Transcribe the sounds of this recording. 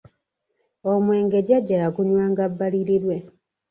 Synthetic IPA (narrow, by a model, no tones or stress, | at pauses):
omwe̞ːŋɡe̞ɟaɟːajaɡuɲwaːŋɡabːaliɾiɾwe̞